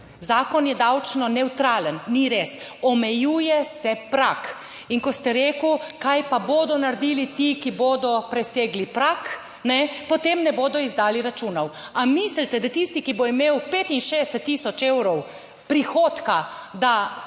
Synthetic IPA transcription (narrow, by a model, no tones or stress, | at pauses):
zaːkɔnjɛd̪awt͡ʃnɔnɛwt̪ɾaːlənniɾesɔmɛjuːjɛsɛpɾak | iŋkɔst̪ɛɾeːkukajpaboːd̪ɔnaɾd̪iːlit̪ikiboːd̪ɔpɾɛseːɡlipɾak | nɛpɔt̪emnɛboːd̪ɔizd̪aːliɾat͡ʃuːnɔwamislt̪ɛd̪at̪ist̪ikiboimeːwpeːt̪inʃedst̪ːiːsɔt͡ʃewɾɔw | pɾixoːt̪kad̪a